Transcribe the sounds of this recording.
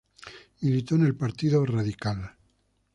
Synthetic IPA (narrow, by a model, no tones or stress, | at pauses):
ilit̪one̞lpaɾt̪iðoraðikal